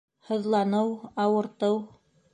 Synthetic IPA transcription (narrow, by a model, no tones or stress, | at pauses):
hŏðlˠɑnɤwɑwɤ̆ɾt̪ɤw